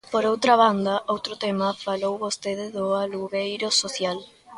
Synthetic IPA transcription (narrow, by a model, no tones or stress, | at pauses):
poɾowt̪ɾaβand̪ɐʔowt̪ɾʊt̪emɐfalowβost̪eðɪðʊaluɣejɾʊsoθjal